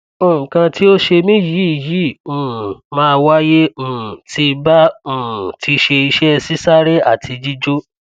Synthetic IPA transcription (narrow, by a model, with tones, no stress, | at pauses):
õ˨kã˧ti˦o˦ʃe˧mĩ˦ji˨˦i˨jĩ˨˦˨mãː˦˧wa˦jẽ˦˨tʰi˧bã˦˨ | ti˧˦ʃe˧i˧ʃɛ˦˧si˦sa˦ɾe˦a˦˨tʰi˧d͡ʒi˦d͡ʒo˦